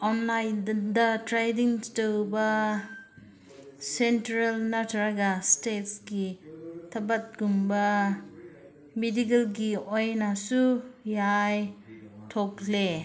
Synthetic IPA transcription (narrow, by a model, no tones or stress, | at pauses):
ɔnlajdɐtɾajdiŋstəwbɐ | sentɾalnatʰɾaɡastetsɡitʰɐbɐt̚ɡumbɐ | midiɡelɡiojnasujajtʰokle